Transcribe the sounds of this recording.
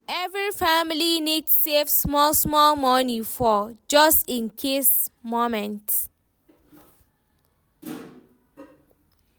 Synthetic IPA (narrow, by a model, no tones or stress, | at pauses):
ɛvɹifamilinidsevsmɔlsmɔlmɔnifɔd͡ʒʌstĩnkʰesmomɛ̃nt